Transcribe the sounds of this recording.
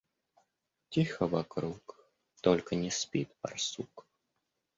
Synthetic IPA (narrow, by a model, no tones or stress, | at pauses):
t͡sʲixɐvakɾuk | t̪ɔlʲkɐnʲɛsʲpʲit̪pa̰rsuk